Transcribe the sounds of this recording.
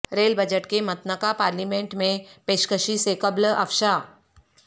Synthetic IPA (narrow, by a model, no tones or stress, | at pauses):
ɾeːlbəd͡ʒəʈkemɐt̪nəkapaːɾliːmẽɳʈmẽpeːʃkəʃisekɐblɐ̰fʃa